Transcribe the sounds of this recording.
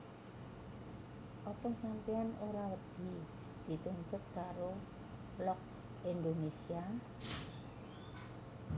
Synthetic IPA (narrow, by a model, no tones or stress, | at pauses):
ʔɔpɔsampeanoɾawəd̪̥i̤ | d̪̥i̤t̪unt̪ʊt̪̚kaɾo | lɔk̚ | end̪onesia